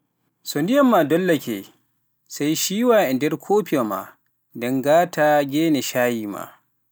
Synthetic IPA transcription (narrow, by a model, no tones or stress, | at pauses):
sondɪjɐmːaːdɔlːɐkʲḛ | sajʃiːwaːʔɛndɛɾkʰoːpijoma̰ | dɔŋɡaːtʰaːɡʲeːneʃaːjiːma̰